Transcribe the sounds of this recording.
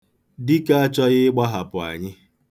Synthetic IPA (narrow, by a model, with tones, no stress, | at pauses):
dɪ˦ka˦a˦t͡ʃɔ˦ɣɪ˦ɡ͡ba˦ɦa˨pʊ˨a̰˨ɲɪ˦